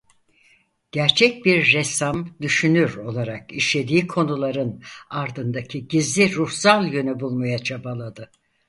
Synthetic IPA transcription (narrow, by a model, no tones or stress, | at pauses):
ɟ̥æɾt͡ʃʰɛc̚biɾːɛsamd̪yʃynyɾo̞lˠaɾakiʃlʲe̞d̪iːkʰo̞nulˠaɾɯnaɾd̪ɯnd̪acʰiɟizlʲiɾuhsalˠjø̞nybulˠmajat͡ʃʰabalˠad̪ɯ